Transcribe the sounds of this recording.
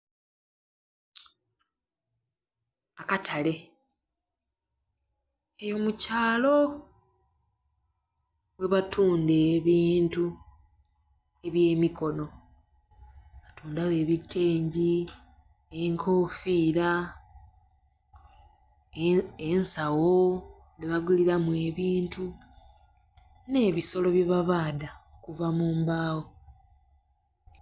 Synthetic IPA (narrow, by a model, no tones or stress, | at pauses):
akatʰale̞ | ejo̞mucaːlo̞ | we̞βatʰuːnde̞ːβiːntu | e̞βje̞ːmiko̞no̞ | βatuːndawe̞βitʰːe̞ːɲɟi | eŋkʰo̞ːfiːɾa | ensawo̞ | neβaɡuliɾamue̞βiːntu | ne̞ːβiso̞lo̞βjeβaβaːdaokuvamuːmbaːwo